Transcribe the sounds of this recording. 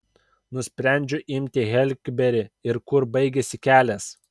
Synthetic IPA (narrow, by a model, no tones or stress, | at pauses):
nʊsʲpʲɾʲɛˑnʲd͡ʒʲʊʔɪmʲt̪ʲɪɣʲɛlʲɡʲbʲɛɾʲɪɪɾkʊɾbɐɪɡʲɛsʲɪkʲæːlʲɛs